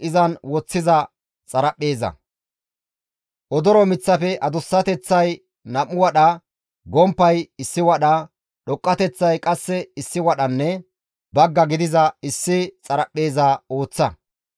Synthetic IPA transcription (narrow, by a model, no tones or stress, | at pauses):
ʔɪzɐnwɔt͡sːɪzɐ | t͡sʼɐɾɐpʼːe̞ːzɐ̰ | ʔɔd̪ɔɾɔmɪt͡sːɐfɛʔɐd̪ʊsːɐt̪ɛt͡sːɐj | nɐmːʊwɐɗɐ | ɡɔmpːɐjɪsːɪwɐɗɐ | ɗɔkʼːɐt̪ɛt͡sːɐjkʼɐsːɛɪsːɪwɐɗɐnːɛ | bɐɡːɐɡɪd̪ɪzɐɪsːɪt͡sʼɐɾɐpːe̞ːzɐo̞ːt͡sːɐ